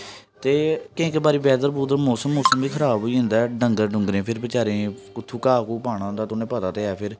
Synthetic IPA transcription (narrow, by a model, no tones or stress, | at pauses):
t̪eːkɪ̃ːkebaːɾiːbɛːd̪əɾbuːd̪əɾmoːsəmːoːsəmbiːkʰəɾaːbɦoiːɦʊ̃nd̪aːɖəŋɡəɾɖʊ̃ŋɡɾẽːpʰɪɾbət͡ʃaːɾẽːkʊt̪ʰːuːkaːkuːpaːɽ̃ãːnd̪aːt̪ʊnẽːpəd̪aːt̪eːaːpʰɪɾ